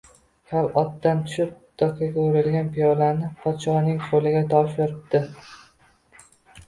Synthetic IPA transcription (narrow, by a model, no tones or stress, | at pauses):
kʲʰalɒt̪ːant̪ʰʊ̥ʃɪp̚d̪̥ɒkʰʲaɡʲaoɾɪlɡʲanpijɒlanɪpʰɒt̪t͡ʃɒnɪŋqʰolɪɡʲat̪ʰɒʃjɒɾɪp̚d̪ɪ